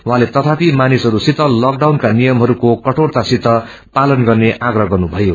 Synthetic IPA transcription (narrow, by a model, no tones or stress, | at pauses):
wãlet̪ʌt̪ʰapimanisɦʌɾusit̪ʌlʌk̚ɖawnkanijʌmɦʌɾukokʌʈʰort̪asit̪ʌ | palʌnɡʌrneʔaɡrʌɡʌrnubʱʌjo